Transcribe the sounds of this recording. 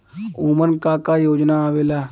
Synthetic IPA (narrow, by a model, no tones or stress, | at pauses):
uːmənkaːkaːjoːd͡ʒnaːʋeːlaː